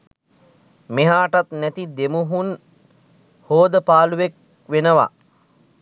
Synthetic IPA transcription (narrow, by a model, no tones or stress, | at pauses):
meɦaːʈat̪næt̪id̪emuɦun | hoːd̪əpaːluʋek̚ | ʋenəʋa̰